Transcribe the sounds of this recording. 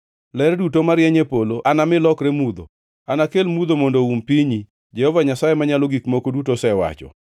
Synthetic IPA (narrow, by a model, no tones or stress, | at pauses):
lɛrdutomaɾjɛɲepoloʔanamɪlɔkɾemud̪o | anakelmud̪omondoumpiɲi | d͡ʒɛhɔvaɲasajemaɲaloɡikmokodutosɛwa̰t͡ʃɔ̰